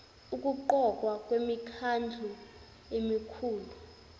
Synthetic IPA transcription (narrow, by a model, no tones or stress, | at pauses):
ukʼuǃɔkʼwakʼwemikʰand͡ɮʱu | emikʰuːlu